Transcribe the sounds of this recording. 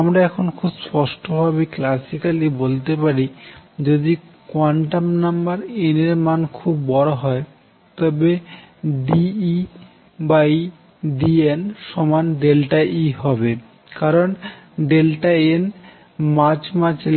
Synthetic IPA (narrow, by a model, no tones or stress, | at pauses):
amɾaɛkʰonkʰubspɔʃʈobʱabeklasikalibolt̪epaɾid͡ʑod̪ikwaɳʈamnambaɾeneɾmankʰubːɔɽoɦɔe | t̪ɔbe | ɖii | baji | ɖienʃɔmanɖelʈaʔiɦɔbe | kaɾonɖelʈaen | mat͡ɕmat͡ɕ